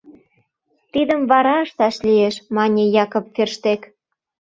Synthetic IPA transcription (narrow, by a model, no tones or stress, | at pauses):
t̪id̪əmβɑɾɑəʃt̪ɑʃlieʃmɑnʲejɑkopferʃt̪ek